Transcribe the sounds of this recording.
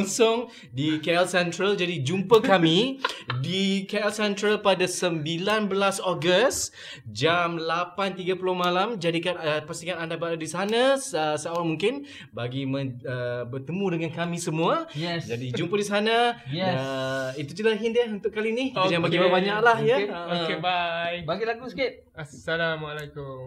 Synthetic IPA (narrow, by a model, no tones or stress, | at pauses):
nsɔŋ | dikaɛlsɛnt̪ɾəld͡ʒadid͡ʒumpəkamĩdikaɛlsɛnt̪ɾəlpadasəmbilanbəlasɔɡəs | d͡ʒamlapant̪iɡapulɔhmalamd͡ʒadikanəpasiŋanandabaadisanasəsaʔoɾaŋmuŋkɪn | baɡimə̃əbərt̪əmũdəŋankamĩsəmũajɛd͡ʒadid͡ʒumpədisanaɛit̪ut͡ʃilaɦindiaɦunt̪ʊʔkːalinihjabaɡibəbaɲaʔlahjaoebajbaɡilaɡusikɪt̪̚ | aalamalakum